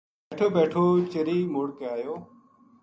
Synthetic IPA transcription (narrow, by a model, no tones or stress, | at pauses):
beːʈʰoːbeːʈʰoːt͡ʃəɾiːmʊːɽkəaːjoː